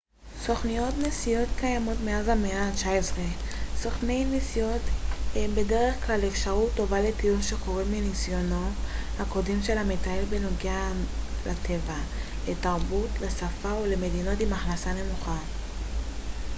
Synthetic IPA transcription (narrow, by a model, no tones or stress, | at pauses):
so̞χnijo̞tnesijo̞tkajamo̞tmeazameat͡ʃaesʁeso̞χne̞jnisijo̞thembe̞de̞ʁe̞χklalefʃaʁutːo̞valetijunʃe̞ko̞ʁiminisjo̞no̞hako̞de̞mʃe̞lametaelbenoɡealatʰe̞va | letaʁbutlesafaole̞me̞dino̞timaχnasane̞muχa